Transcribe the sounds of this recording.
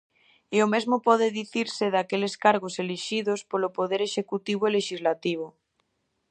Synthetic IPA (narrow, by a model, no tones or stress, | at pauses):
iomezmopɔðeðiθiɾseðakeleskaɾɣ̞oseliʃiðospolopoð̞eɾeʃekut̪iβ̞oleʃizlat̪iβ̞o